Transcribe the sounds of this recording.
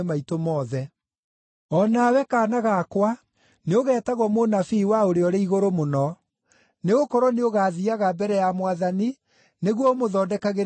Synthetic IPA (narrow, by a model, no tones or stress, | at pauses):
maitomɔːðɛ | ɔnawɛkaːnaɣakwa | neoɣɛːtaɣwɔmonafiːwaoɾeɔɾeiɣoɾomonɔ | neɣokɔɾɔneoɣaːðiaɣabɛɾɛjamwaðani | neɣwɔmoðɔdɛkaɣe